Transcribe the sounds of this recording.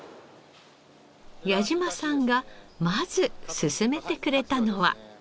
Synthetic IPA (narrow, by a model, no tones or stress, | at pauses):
jaʑimasãŋɡamaz̥ɨsɨsɨme̞t̪e̞kɯ̟ɾe̞t̪ano̞βa̰